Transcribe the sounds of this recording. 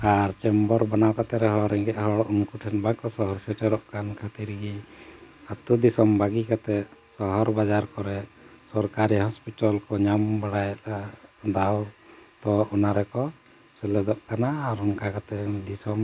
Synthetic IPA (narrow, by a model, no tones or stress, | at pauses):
aɾt͡ʃɛmbɔɾbanawkat̪ɛɾɛɦɔɾɛŋɡɛʔhɔɽɔʔuŋkuʈʰɛnbakɔsɔɦɔɾsɛʈɛɾɔʔkankʰat̪iɾiɡi | at̪ud̪isɔmbaɡikat̪ɛsɔɦɔɾbad͡ʒaɾkɔɾɛ | sɔɾkaɾihɔspiʈalkɔɲambaɽajɛtad̪awt̪ɔɔnaɾɛkɔ | sɛlɛd̪ɔʔkanaːɾɔŋkakat̪ɛd̪isɔm